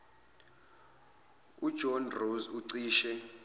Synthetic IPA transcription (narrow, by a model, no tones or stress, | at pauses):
ud̥ʒ̥ʱɔnrozuǀiːʃɛ